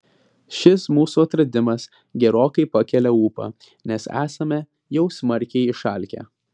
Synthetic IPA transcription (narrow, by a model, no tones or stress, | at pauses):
ʃʲɪsmuːsuɐt̪ɾɐd̪ʲɪmɐs | ɡʲɛɾoːkɐɪpɐkʲɛlʲɛuːpɐ̰ː | nʲɛsæ̰ːsɐmʲɛ | jɛʊsʲmɐɾʲkʲɛɪɪʃɐˑlʲkʲɛ̰ː